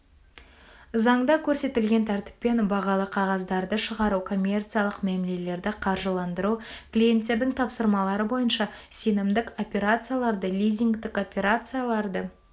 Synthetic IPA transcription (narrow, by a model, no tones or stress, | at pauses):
zɑɴd̪ɑkʲʰɵɾse̞t̪ɪlɡʲe̞nt̪ʰæɾt̪ɪ̥pːe̞nbɑʁɑlˠəqʰɑʁɑzd̪ɑɾd̪əʃəʁɑɾukʰo̞mʲːe̞rt̪sɨjalˠəqmemle̞le̞ɾd̪ɪqʰɑɾʒəlˠɑnd̪əɾuklʲije̞nt̪ːe̞ɾd̪ɪŋt̪ʰɑpsəɾmɑlˠɑɾəbo̞jənʃɑse̞nɪmd̪ɪko̞pʲe̞ɾat̪sɨjalˠɑɾd̪əlʲijzʲiŋɡt̪ɪko̞pʲe̞ɾat̪sɨjalˠɑɾd̪ə